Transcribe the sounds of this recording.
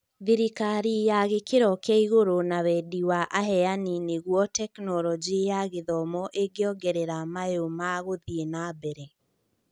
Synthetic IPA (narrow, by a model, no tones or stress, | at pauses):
ðiɾikaɾijaɣekeɾɔkɛiɣoɾonawɛdiwaʔaɦɛanineɣwɔtɛknɔlɔd͡ʒijaɣeðɔmɔʔeɡeɔɡɛɾɛɾamaeomaɣoðienabɛɾɛ